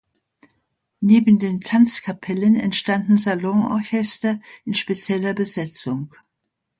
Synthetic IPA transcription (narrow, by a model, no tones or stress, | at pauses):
neːbn̩deːntʰant͡skʰapʰɛlənɛntʃtandn̩zalɔŋɔ̰ɐçɛstɐɪnʃpet͡sjɛlɐbəzɛt͡sʊŋ